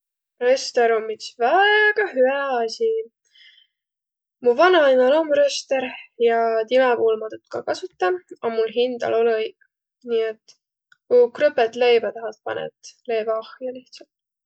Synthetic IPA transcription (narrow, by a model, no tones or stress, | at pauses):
røst̪eɾomːit̪svæeɡ̥ɑɦyæɑsʲi | muvɑnɑɑjnɑlomɾøst̪eɾjɑt̪imɛbuːlmɑt̪ut̪ːkɑ̰kɑsut̪ːˑɑɑmulɦind̪̥ɑ̰lo̞lɤjɡ | niet̪ː | ukrøpet̪lejbɑt̪ɑɦɑlt̪̚pɑ̰nḛt̪lejvɑɑhjɑliht̪sɑlt̪